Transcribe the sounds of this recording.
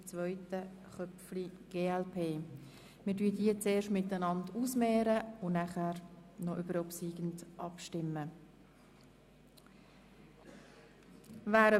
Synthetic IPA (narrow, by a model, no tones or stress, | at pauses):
t͡svœʏtə | χœpfliɡ̥eːɛlpʰeː | mɪːdyːdiət͡seːʃtmɪtənɑndusmɛːɾəʊnæχæɾnɔʔybəɾɔpsiːɡ̥ən̩dʔɑpʃtɪmːə | vaːɾə